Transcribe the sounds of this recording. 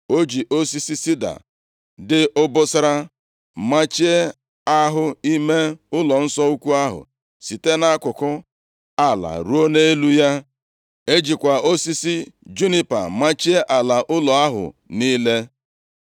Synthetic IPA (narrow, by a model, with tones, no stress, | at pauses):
o˦d͡ʒi˨ʔo˦si˦si˦si˦da̰˨ | dɪ˦ʊ˦bʊ˦sɪ˦ɾa˦ | ma˦t͡ʃi˦e˦ | a˦ɦʊ˦i˦me˦ʊ˦lɔ˨n̩˦sɔ˦u˦kʷu˦a˦ɦʊ̰˨ | si˨te˦na˦kʷʊ˨kʊ˦ | a˦la̰˨ɾu˦o˦ne˦e˦lu˦ja˦ | e˦d͡ʒi˨kʷa˨o˦si˦si˦d͡ʒu˦ni˦pa̰˨ma˦t͡ʃi˦e˦ʔa˨la˨ʔʊ˦lɔ˨a˦ɦʊ̰˨niː˦le˦